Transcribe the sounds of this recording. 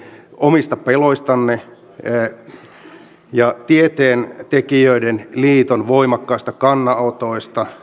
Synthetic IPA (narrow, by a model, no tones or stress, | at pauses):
ʔomist̪ɑpeloist̪ɑnːe | jɑt̪iet̪eːnt̪ekiøidenliːt̪onʋoimɑkːɑist̪ɑkɑnːɑot̪oist̪ɑ